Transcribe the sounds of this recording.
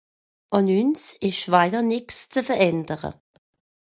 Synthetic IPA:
ʔɑnynsɪʃʃvaɪənɪkst͡səfəʁɛndəʁə̰

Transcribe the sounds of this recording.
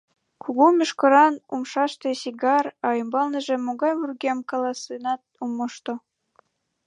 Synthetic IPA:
kʰuɣumʲyʃkɤ̆ɾɑnumʃɑʃt̪esiɡɑrɑjɤmbɑlˠnɤ̆ʒĕmːoɡɑjβurɡʲemkɑlˠɑsinɑt̪̚umɤ̆ʃt̪ŏ

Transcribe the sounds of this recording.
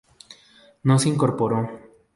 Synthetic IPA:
noseiŋkoɾpoɾo

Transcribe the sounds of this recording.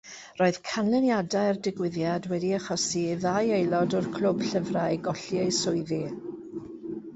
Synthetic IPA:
roːɨð̥kʰanlɛnjadaɨrdɪɡwɪðjadwɛdiaχɔsiðajejlˠɔdɔrkʰl̥ʊb̥ɬəvrajɡɔɬiesʊɨði

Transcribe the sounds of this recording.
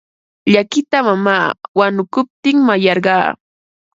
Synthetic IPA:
ʎakɪt̪amamaːwanʊkʊp̚t̪ɪŋmajɑɾɢɑː

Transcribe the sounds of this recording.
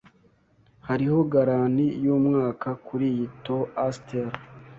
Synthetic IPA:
haɾiho̞ɡaɾanijuːmŋaːkakuɾijito̞asteɾ

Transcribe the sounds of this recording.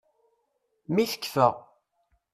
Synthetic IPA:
miθə̥kːfəʁ

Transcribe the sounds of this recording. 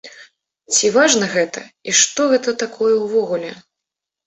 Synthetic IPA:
t͡sʲivaʐnɐɣɛt̪ɐ̰iʂt̪ɔɣɛt̪ɐt̪akʰɔjɛwvɔɣulʲɛ

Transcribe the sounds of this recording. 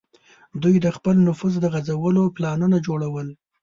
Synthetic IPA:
d̪ujd̪əxpəlnʊfuzd̪əɣazawəloplɑnunad͡ʒoɽawəl

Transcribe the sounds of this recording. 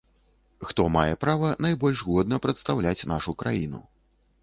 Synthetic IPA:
xt̪ɔmajɛpɾavɐnajbɔlʲʐɣɔd̪nɐpɾɐt̪st̪awlʲat͡sʲnaʂukɾajinṵ

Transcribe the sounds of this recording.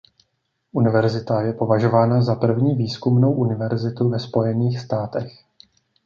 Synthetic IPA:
ʔunɪvɛɾzɪt̪ajɛpo̞vaʒo̞vaːnazapr̩vɲiːviːskumno̞wʔunɪvɛɾzɪt̪uvɛspo̞jɛniːxst̪aːt̪ɛx

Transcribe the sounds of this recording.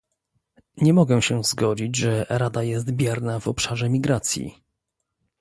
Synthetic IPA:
ɲɛmɔɡɛ̃ɕɛzɡɔd͡ʑid͡ʑʐɛɾad̪ajɛst̪bʲjaɾnavɔpʂaʐɛmʲiɡɾat̪sʲjḭ

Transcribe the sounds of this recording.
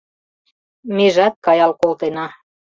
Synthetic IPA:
miʒɑt̪̚kɑjɑlkolt̪enɑ

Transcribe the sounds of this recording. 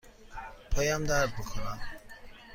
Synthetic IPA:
pʰɐjaːmd̪aːɾbɨkʰunam

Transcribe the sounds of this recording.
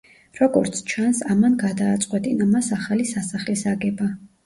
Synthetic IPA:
ɾɔɡɔ̰ɾt̪sʰt͡ʃʰansamanɡad̪aːt̪sʼqʼwɛt̪ʼinamasaχalisasaχlisaɡɛba

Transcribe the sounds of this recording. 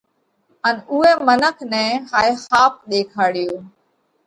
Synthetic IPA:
ənʊɦeːmənəkʰnɛ̃ːhaːexaːp̚ɗeːkʰaːɽɪjoː

